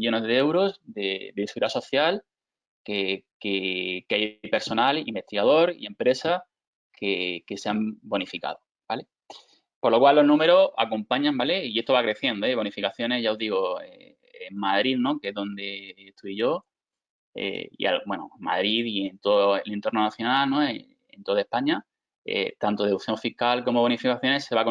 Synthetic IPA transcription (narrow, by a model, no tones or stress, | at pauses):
ʎo̞ne̞zðee̞wɾo̞zd̪ed̪esuɾaso̞θjal | kekekeajpe̞ɾso̞nalḭmbe̞st̪iɣað̞o̞ɾḭe̞mpɾe̞sa | kʰeke̞seambo̞nifika̰ðo | b̥ale̞ | po̞ɾlo̞kwalːo̞ɦnũme̞ɾo̞a̰kompaɲãmbale̞ie̞st̪oβakɾe̞θje̞nd̪oeβ̞o̞nifikaθjone̞ɦʝao̞ɦðiɣ̞oḛː | ŋmaðɾiðno̞keeɦðo̞nd̪e̞ːt̪ʰuiʝo̞ | ḛḭa̰lbwe̞noma̰ðɾiðient̪ooelent̪o̞nonaθjo̞nalno̞e | ḛnt̪o̞ðaepaɲa | ḛt̪ant̪o̞ð̞euθjõ̞ɱfihkalko̞mo̞βo̞nifikaθjo̞ne̞se̞βak